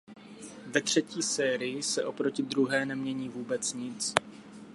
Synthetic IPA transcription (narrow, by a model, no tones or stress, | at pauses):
vɛt̪r̝̥ɛciːsɛːɾɪjɪsɛʔo̞pɾo̞cɪd̪ɾuɦɛːnɛmɲɛɲiːvuːbɛt͡sɲɪt͡s